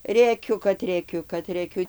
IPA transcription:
rʲeːˈkʲʊ kɐt rʲeːˈkʲʊ kɐt rʲeːˈkʲʊ

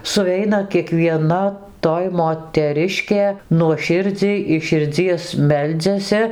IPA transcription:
sʊˈʋʲɛɪnɐ kʲiɛkʋʲiɛˈnɐ ˈtoːj moːtʲɛˈrʲɪʃʲkʲeː nuɔˈʃʲɪrʲd͡zʲɛɪ ɪʃ ʃʲɪrʲˈd͡zʲiɛs ˈmʲɛlʲd͡zʲɛsʲɪ

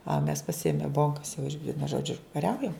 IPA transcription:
ɐ mʲɛs pɐsʲɪˈeːmʲɛ ˈboːŋkɐs ˈʋʲiɛnʊ ˈʒoːd͡ʒʲʊ kɐˈrʲɛʊjɛm

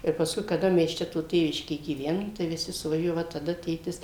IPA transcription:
tɐɪ pɐsˈkʊɪ kɐˈdɐ mʲɛs ˈt͡ʃʲɛ toː ˈtʲeːʋʲɪʃʲkʲeː ɡʲiːˈʋʲæːnoːm tɐɪ ʋʲɪˈsʲɪ sʊʋɐˈʒʲuɔjɛ ʋɐ tɐˈdɐ ˈtʲeːtʲɪs

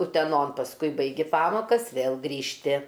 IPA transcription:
ʊtʲɛˈnoːn pɐsˈkʊɪ bɐɪˈɡʲɪ ˈpɑːmoːkɐs ˈʋʲeːlˠ ɡrʲiːʃʲˈtʲɪ

